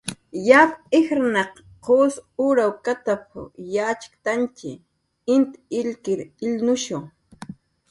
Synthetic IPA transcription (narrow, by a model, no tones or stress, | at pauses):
japɪxɾnɑq | qoːsʊɾawkat̪apjat͡ʃɪ̥kt̪ant͡ʃɪ | ɪnt̪ɪlkɪɾɪlnʊʃoʊŋ